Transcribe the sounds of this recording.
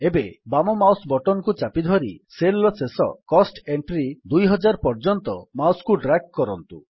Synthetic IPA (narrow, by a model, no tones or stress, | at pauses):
ebebamɔmawsbɔʈɔnɔkut͡ʃapid̪ʱɔɾiselːɔsesɔ̰kɔsʈeɳʈɾid̪ujɦɔd͡ʒaɾpɔɾd͡ʒɔnt̪ɔmawskuɖɾak̚kɔɾɔnt̪u